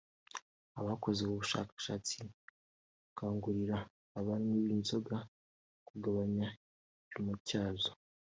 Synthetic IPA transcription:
aβako̞zeβuβuʃa̰ːkḁʃat͡si | kaːŋɡuɾiɾaː | βaɾimwiβiːnzo̞ɡa | kuɡaβaɲa | βimucaːzo

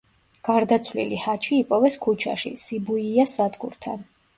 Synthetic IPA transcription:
ɡ̥aɾd̪at̪sʰvlḭlihat͡ʃʰiːpʼɔvɛskʰut͡ʃʰa̰ʃḭsibuiasad̪ɡṵɾt̪ʰa̰n

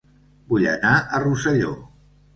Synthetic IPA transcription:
buʎə̰naʔərusəʎo̰

